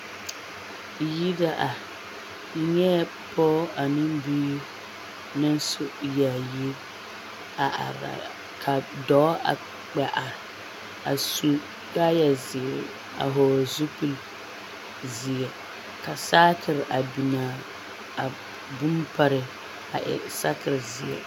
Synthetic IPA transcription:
ji˦da˦ʔa˨ | ɪ˦ɲɛ˦ | pʰɔː˦a˨nɪ˦mbiː˦ | nɪ˦n˦sʊ˦ja˨ji˦ | a˨a̰˨ɾa̰˨ | kʰa˨dɔː˨˦a̰˨ | k͡pɛ˨ʔa˨ | a˨su˦ | da˦ja˨zɪ˨ɛ˨ | a̰˨ɦɔː˨zu˦pu˦l | zɪ˨ɛ˨ | ka˨saː˦tɪ˨ɾʔa˨bi˨naː˨ | a˨ | bu˦mpa˦ɾɪ˨ | a˨ʔɪ̰˨sa˦kɪ˨ɾzɪ˨ɛ̰˨

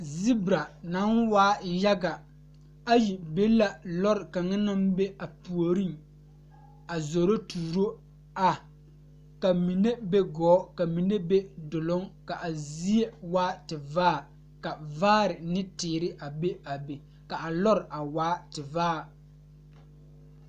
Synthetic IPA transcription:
zi˦bɾa˨na˨˦nwaː˦ja˦ɡa˨ | a˦ji˨be˦la˦lɔ˦ɾɪ˨ka˨ŋa˦na˦mbe˦a˨pu˨o˨ɾi˦ŋ | a˨zo˨ɾo˦tuː˨ɾo˦ | a˨ | ka˨mi˨ne˦be˦ɡɔː˨˦ka˨mi˨ne˦be˦dʊ˨lʊ˦ŋka˨ʔa˨zi˦e˦waː˦tɪ˨vaː˦˨ | ka˨vaː˦ɾɪ˨nɪ˦tɪː˨ɾɪ˦ʔa˨be˦a˨be˨ | ka˨ʔa˨lɔ˦ɾɪ˨ʔa˨waː˨˦tɪ˨vaː˦˨

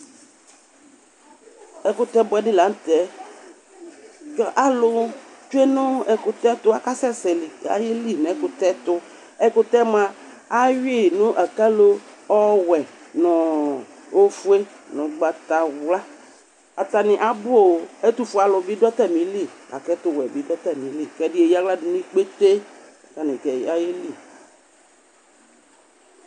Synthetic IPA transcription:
ɛ˨kʊ˦t̪ɛ˦bɔ˦ɛ˨dɪ˦la˨˦n˦t̪ɛ˨ | kʔa˦lʊ˦t͡ʃu˦e˦nʊ̃˦ɛ˨kʊ˦t̪ɛ˦t̪ʊ˦a˦ka˦sɛ˦sɛ˨li˨a̰˨je˦li˦nɛ˨˦kʊ˦t̪ɛ˦t̪ʊ˦ | ɛ˦kʊ˦t̪ɛ˦mã˦ | a˦ɥe˦˨nũ˦ʔa˨ka˦lo˦ɔ˦wɛ˨nɔ˨ | o˦fu˦e˦ | nʊ̃˨ɡ͡ba˨t̪a˨wla˦ | a˨t̪a˨nɪ̃˨ʔa˨bʊ˦o˨ɛ˦t̪u˨fʊ˨˦a˨lɔ˨bɪ˦dɔ˦t̪ɛ˦mĩ˨li˦˨ka˨kɛ˦t̪ʊ˦wɛ˨bi˦dɔ˦t̪ɛ˦˨mĩ˨li˦˨kɛ˦dɪ˦e˨ja˦wla˦dɪ˨˦nĩ˦k͡pe˦t̪e˦˨ | ta˨nɪ̃˨kɛ˨˦a˦je˦li˦˨

